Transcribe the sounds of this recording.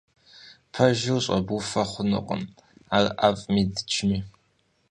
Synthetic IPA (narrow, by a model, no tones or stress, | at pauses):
pʰɐʒɪwɕʼɐbufɐχʷʊnɨ̰qʼə̰m | aːrʔapʼmiːdɨ̥t͡ʃʰmiː